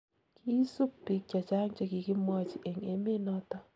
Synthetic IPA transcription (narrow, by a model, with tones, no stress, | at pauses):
kʰi˦su˦pːi˨k̚t͡ʃa˨t͡ʃa˦ŋt͡ʃe˦˨ki˨ki˦mɔ˦t͡ʃi˨ʔe˨ŋe˦me˦nɔ˦tɔ˦